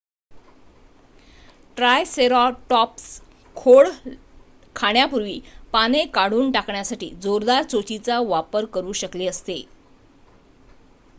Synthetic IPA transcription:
ʈɾajseɾɔʈɔps | kʰoɭ | kʰaɳjapuɾʋiːpanekaɽ̤uːnʈakɳjasaʈḭːd͡zoɾd̪aɾt͡sot͡ɕit͡saʋapəɾkəɾuːɕəkleəst̪e

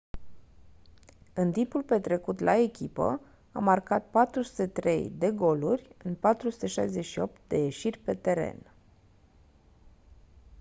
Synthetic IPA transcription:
ɨnt̪impulpe̞t̪ɾe̞kut̪lʔae̞kʲipə̰ | a̰markat̪̚pat̪ɾusu̥t̪e̞t̪ɾe̞̰jd̪e̞ɡo̞lurʲɨnpat̪ɾusu̥t̪e̞ʃajzeʃio̞p̚t̪̚d̪e̞je̞ʃirʲpe̞t̪e̞ɾe̞̰n

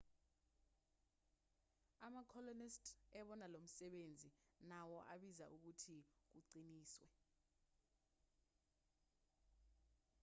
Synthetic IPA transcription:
amakʰɔlɔnistʰɛɓɔnalom̩sɛɓend͡zʱinawɔʔaɓizaʔuk̬utʰik̬uǀiniːswɛ

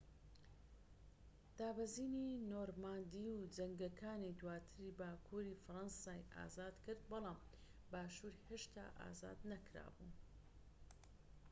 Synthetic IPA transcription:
d̪̥aːbɐziːninoːɾmaːnd̪iwd͡ʒɐŋɡɐkʰaːnid̪waːt̪ʰɨɾibaːkʰuɾifɨɾɑnsaːjʔa̰ːzaːd̪kɨɾd̪̚bɑlˠɑːm | baːʃuɾheʃt̪ʰa̰ːʔa̰ːza̰ːd̪nɐkɾa̰ːbṵn

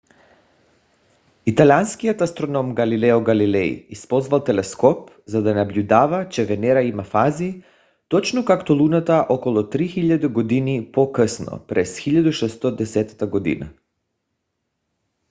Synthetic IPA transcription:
it̪alʲianskiat̪ast̪ɾonɔmɡalilɛɔɡalilɛḭispɔzvalˠt̪ɛlɛskɔp | zad̪anablʎʲud̪avat͡ʃɛvɛnɛɾaimafazi | t̪ɔt͡ʃnɔkakt̪ɔlˠunat̪aʔokɔlˠɔt̪ɾixiʎad̪iɡod̪inipokəsnɔ̰pɾɛsxiʎad̪uʃɛst̪ɔd̪ɛsɛt̪ḁt̪aɡɔd̪ḭna̰

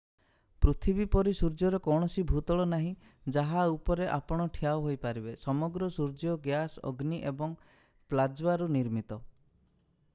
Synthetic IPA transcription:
pɾut̪ʰibipɔɾisuɾd͡ʒjɔɾɔkɔwɳ̃ɔsibʱut̪ɔɭɔnaɦĩ | d͡ʒaɦaupɔɾeʔapɔɽ̃ɔʈʰijawɦojpaɾibesɔmɔɡɾɔsuɾd͡ʒjɔɡjasɔ̰ɡniʔebɔŋ | plad͡ʒwaɾuniɾmit̪ɔ

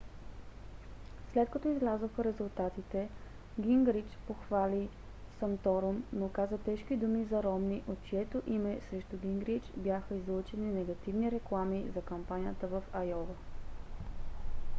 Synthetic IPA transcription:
slɛt̪̚kɐt̪ɔizlʲazoxəɾɛzʊlˠt̪at̪it̪ɛ | ɡʲiŋɡɾit͡ʃpoxvali | sɐmt̪ɔɾomnokazət̪ɛʃkid̪umizɐɾɔmniʔot̪̚t͡ʃiɛt̪oʔimɛsɾɛʃt̪ʊɡʲiŋɡɾit͡ʃbʲjaxəizlˠot͡ʃɛninɛɡɐt̪ivniɾɛklˠamizɐkɐmpanʲijət̪əvɐfɐjɔvə

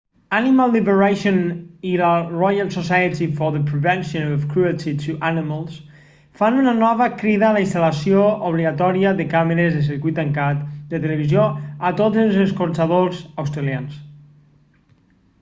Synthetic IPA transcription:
animalˠːiβeɾaʃonilarɔjalˠsosajət̪ifoɾðəpɾeβɛ̃nʃõnɔfkɾuɛlt̪ʰit̪ʰuʔanimalˠs | fanunanɔβəkɾiðalainst̪alasiooβliɣat̪ɔɾiəðekameɾezðes̬iɾkujt̪ːaŋkat̪d̪et̪eleβizjoat̪od͡zelˠzeskoɾt͡ʃaðozawst̪ɾalians

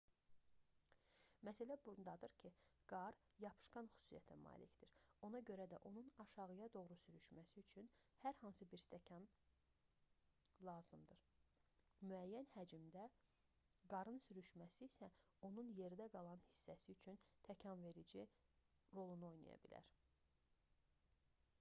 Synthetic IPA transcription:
mæsælæbund̪ɑd̪ɯɾcʰiɡ̥ɑɾ | jɑpʰɯ̥ʃkɑnxy̥su̥sijæt̪ʰæmɑ̰ːlicd̪iɾo̞nɑɟø̞ɾæd̪æ̰ʔo̞nunɑʃɑʁɯjɑd̪o̞ɣɾusyɾyʃmæsiyt͡ʃʰynhæɾhɑnsɯbiɾst̪ʰæcʰɑn | lˠɑːzɯmd̪ɯɾ | myæjːænhæd͡ʒimd̪æ | ɡɑɾɯnsyɾyʃmæsiːsæ | o̞nunje̞ɾid̪æɡɑlˠɑnhi̥sːæsiyt͡ʃʰynt̪ʰæcʰɑnve̞ɾid͡ʒi | ɾo̞lˠunuo̞jnɑ̰jɑ̰bilæ̰ɾ

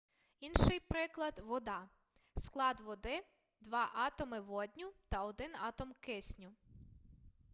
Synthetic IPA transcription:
inʃɪjpɾɪklˠɐd̪ʋɔd̪ɑ | sklˠɑd̪ʋɔd̪ɪ | d̪ʋɑʔɑt̪ɔmɪʋɔd̪ʲnʲut̪ɐɔd̪ɪnɑt̪ɔmkɪsʲnʲuʊ

